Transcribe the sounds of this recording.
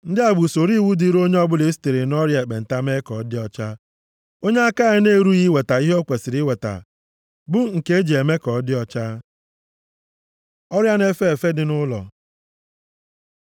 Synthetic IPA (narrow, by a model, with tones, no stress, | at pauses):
n̩˦dɪ˦a˨ɡ͡bu˨so˨ɾi˦wu˦di˦ɾo˦ɲe˦ɔ˦bʊ˦le˨˦si̥˨te˨ɾe˨nɔ˦ɾja˨e˨k͡pe˨n̩˨ta˦me˦kɔ˨˦dɪ˦ɔ˦t͡ʃa˦ | o˦ɲe˦a˦ka˦e˦ne˦˨ɾu˦ɣi˦we˨ta˨i˦ɦe˦o˦kʷe˨sɪ˨ɾi˦we˨ta̰˨ | bʊ˦ŋ̩˨ke˦e˦d͡ʒe˨e˨me˦kɔ˨˦dɪ˦ɔ˦t͡ʃa˦ | ɔ˦ɾja˦ne˦fe˦e˨fe˦dɪ˦nʊ˦lɔ̰˨